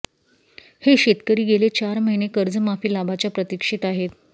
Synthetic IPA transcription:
heɕet̪kəɾiːɡelet͡ɕaɾməɦinekəɾd͡zəmafiːlabʱat͡ɕapɾət̪ikʂit̪aɦet̪

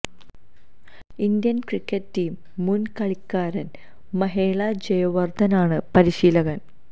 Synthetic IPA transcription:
ind̪jɐnkrikːɐttiːmː | unkɐɭikːaːɾɐn | mɐɦeːɭɐd͡ʑejɐʋɐrd̪ʱɐnaːɳɨpɐɾiɕiːlɐɣɐn

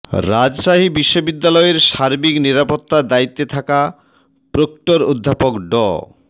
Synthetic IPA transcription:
ɾad͡ʑʃaɦibiʃːobid̪ːalɔeɾʃaɾbikniɾapot̪ːad̪ait̪ːet̪ʰaka | pɾokʈoɾod̪ʱːapokɖɔ̰

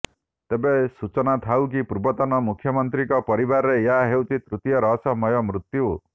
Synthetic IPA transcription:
t̪ebesut͡ʃɔnat̪ʰawk̬ipuɾbɔt̪ɔnɔmukʰjɔmɔnt̪ɾikɔpɔɾibaɾɔɾejaɦewt̪ʰit̪ɾut̪jɔɾɔɦsɔmɔjɔmɾut̪ju

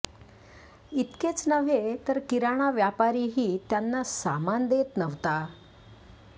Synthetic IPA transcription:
it̪ket͡snəʋ̤et̪əɾkiɾaɽ̃aʋjapaɾiːɦiːt̪janːasamand̪et̪nəʋt̪a

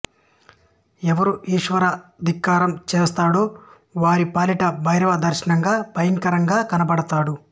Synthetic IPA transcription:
ɛʋɐɾuʔiːʂʋɐɾɐd̪ʱikːaːɾɐmt͡ʃeːst̪aːɽoː | ʋaːɾipaːliʈɐbʱɐjɾɐʋɐd̪ɐɾʃɐnɐŋɡaːpɐjɐŋkɐɾɐŋɡaːkɐnɐpɐɽɐt̪aːɽu

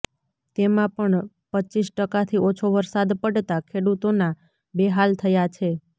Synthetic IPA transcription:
t̪emãpəɳ | pət͡ʃisʈəkat̪ʰiot͡ʃʰoʋəɾsad̪pəɽt̪akʰeɽut̪ona | beɦalt̪ʰəjat͡ʃʰe

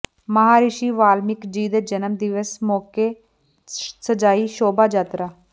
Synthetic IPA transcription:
məɦaːɾɪʃiːʋaːlmɪkd͡ʒiːd̪eːd͡ʒənəmd̪ɪʋəsmɔːkeː | səd͡ʒaːiːʃoːbaːd͡ʒaːt̪ɾaː

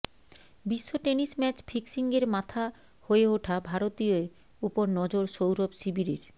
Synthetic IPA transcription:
biʃːoʈenismɛt͡ɕpʰiksiŋɡeɾmat̪ʰa | hoeoʈʰabʱaɾot̪ioe | upoɾnɔd͡ʑoɾʃowɾobsibiɾeɾ

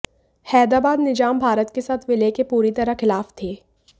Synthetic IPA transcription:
hɛːd̪ɾaːbaːd̪nɪd͡ʒaːmbʱaːɾət̪kesaːt̪ʰʋɪlekepuːɾit̪ɐɾəxɪlaːft̪ʰeː

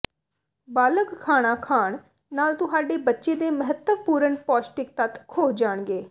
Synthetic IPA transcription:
baːləɡkʰaːɽ̃ãːkʰaːɳ | naːlt̪ʊɦaːɖeːbətːʃeːd̪eːməɦət̪ːəʋpuːɾəɳpɔːsʈɪk̚t̪ət̪kʰoːd͡ʒaːɳɡeː

